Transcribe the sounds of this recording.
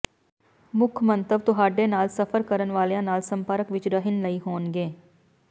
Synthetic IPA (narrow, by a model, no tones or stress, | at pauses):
mʊkʰmə̃nt̪əʋt̪ʊɦaːɖeːnaːlsəpʰəɾkəɾənʋaːlejãːnaːlsəmpəːɾəkʋɪt͡ʃɾəɦɪnləiːɦoːnɡeː